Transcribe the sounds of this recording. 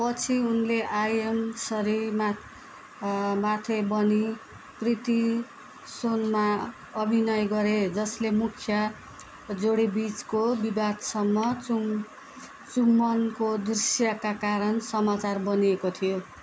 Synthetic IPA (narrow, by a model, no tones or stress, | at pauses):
pʌt͡sʰiunleʔajemsʌɾim | mat̪ʰebʌni | krit̪i | sonma | ʌbʱinʌjɡʌɾed͡zʌslemukʰjʌ | d͡zoɽibit͡skobibad̪sʌmːʌu | t͡sumːʌnkod̪risjakakaɾʌnsʌmat͡sarbʌniekot̪ʰijo